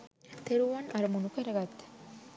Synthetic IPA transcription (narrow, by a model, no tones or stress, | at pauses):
t̪eɾuanaɾmunukeɾaɡat̪